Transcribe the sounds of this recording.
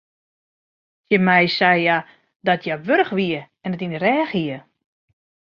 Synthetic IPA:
səmɛjsɛjja | dɔtʰjaʋøɾəxʋiə | ɛnətinərɛːxiə

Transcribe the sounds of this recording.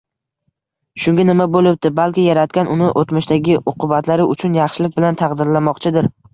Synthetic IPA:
ʃʊŋɡʲanɪmabolɪp̚d̪ɪbalˠkʲɪjaɾat̪kʲanʊnɪʔot̪mɪʃt̪aɡʲɪʔoqʰʊbat̪laɾɪʊt͡ʃʰʊnjɑχʃɪlɪk̚ʲbɪlant̪ʰɑqd̪ɪɾlamɒqt͡ʃʰɪd̪ɪɾ

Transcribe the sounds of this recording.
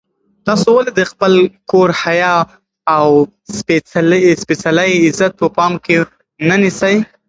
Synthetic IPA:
t̪ɑsowaled̪əxpəlkoɾhajɑ | aw | sespesalajɪzat̪̚pəpɑmke | nanisaj

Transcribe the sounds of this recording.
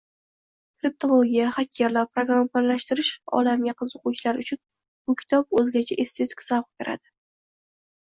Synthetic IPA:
t̪ʰep̚t̪olˠoɡʲijaχakʲʰːeɾlaɾpɾoɡɾampnlaʃt̪ɪɾɪʃɒ̰lamɡʲaqʰɨzʊquwt͡ʃʰɪlaɾʊt͡ʃʰʊn | b̥ʊkʲʰɪ̥t̪ʰɒp̚ɵzɡʲat͡ʃʰaʔest̪ʰe̞t̪ɪ̥kʲsavqbe̞ɾʔa̰d̪̥ɪ

